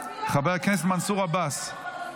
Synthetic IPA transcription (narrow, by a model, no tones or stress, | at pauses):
χabejakɛnɛs̬bmansuʁabas